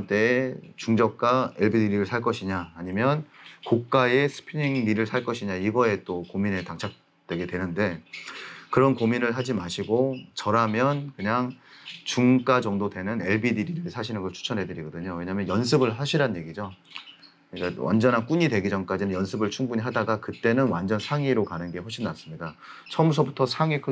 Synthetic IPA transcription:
nt͈e̞ːt͡ɕuŋd͡ʑʌk̚k͈aeɭbidiɾiɾɯɭsʰaɭk͈ʌɕʰiɲaːɲimjʌnkok̚k͈aesʰɯ̥pʰiniŋniɾɯɭsʰaɭk͈ʌɕʰiɲaiɡʌe̞t͈okomine̞taŋt͡ɕʰak̚ | twe̞ɡe̞dwe̞nɯnde̞ | kɯɾʌnkominɯɭɦad͡ʑimaɕʰiɡot͡ɕʌɾamjʌnkɯɲaŋt͡ɕuŋk͈ad͡ʑʌŋdodwe̞nɯne̞ɭbididiɾɯɭsʰaɕʰinɯnkʌɭt͡ɕʰu̥t͡ɕʰʌnɦe̞dɯɾiɡʌdɯɲowe̞ɲaːmjʌnjʌns̬ʰɯbɯɭɦaɕʰiɾanje̞ɡid͡ʑo | ɲik͈awa̰nd͡ʑʌnɦank͈uɲidwe̞ɡid͡ʑʌŋk͈ad͡ʑinɯnjʌnsʰɯbɯɭt͡ɕʰuŋbuɲiɦadaɡakɯt͈e̞nɯnwand͡ʑʌnsʰaŋiɾokanɯnɡe̞ɦoɕʰinːas͈ɯmɲida | t͡ɕʰʌmusʰʌbutʰʌsʰaŋikʰɯ

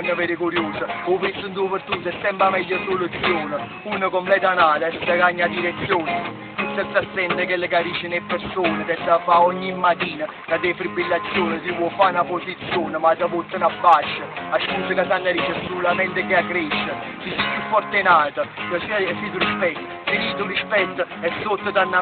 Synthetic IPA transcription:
nːəveɾəkuɾjuːsəopisənd̪upəɾt̪ut̪ːɛsːɛmpɾamɛʎːəsolut̪sːjoːnə | unəkomplɛːt̪anaːt̪aɛst̪əɡaɲːad̪iɾet̪sːjoːnə | isənsasːɛnd̪əkelːəkaɾiːt͡ʃːənepːeɾsoːnət̪ɛsafaɔɲːimːat̪iːnə | nad̪efɾibilːat̪sːjoːnəs̬ipwɔfanaposit̪sːjoːnəmasapot̪ːənabːaʃːəaʃkunt̪əkat̪anːaɾiːt͡ʃəsulamɛnt̪əkeakːɾeʃːə | sisipjufːɔɾt̪enaːt̪əkəsisiːt̪̬uɾiʃpɛt̪ːə | siniːt̪uriʃpɛt̪ːə | ɛsːot̪ːəd̪anːa

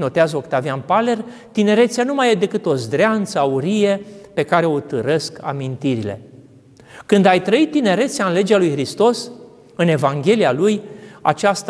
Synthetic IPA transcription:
no̞t̪eazo̞kt̪avianpale̞r | t̪ine̞ɾe̞t̪sianumajed̪e̞kɨt̪o̞zd̪ɾeant̪səauɾije̞pe̞kaɾe̞o̞t̪ɨɾe̞ska̰mint̪iɾile̞̰ | kɨnd̪ajt̪ɾəit̪ːine̞ɾe̞t̪siaɨnle̞d͡ʒealujxɾist̪o̞s | ɨne̞vaŋɡʲe̞lialuja̰t͡ʃast̪

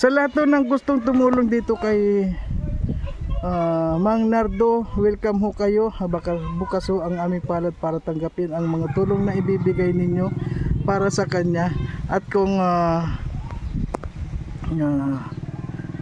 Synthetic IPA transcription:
sɐlɐhat̪honɐŋɡʊst̪oŋt̪ʊmuːloŋd̪iːt̪okɐj | amaŋnaɾd̪owɛlkamɦokɐjo̞bakabukashoʔɐŋʔaːmɪŋpaːlɐd̪̚paːɾɐt̪ɐŋɡapɪnɐŋmɐŋat̪uːloŋnɐʔɪbiːbɪɡajnɪɲjo̞paːɾasɐkɐɲaʔɐt̪̚kʊŋa | a

